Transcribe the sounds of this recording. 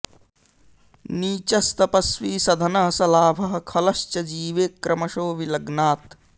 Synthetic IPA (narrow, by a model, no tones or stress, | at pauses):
niːt͡ʃɐst̪ɐpɐsʋiːsɐd̪ʱɐnɐɦɐsɐlaːbʱɐɦɐ̆kʰɐlɐʃt͡ʃɐd͡ʒiːʋeːkɾʔɐmɐʃoːʋilɐɡnaːt̪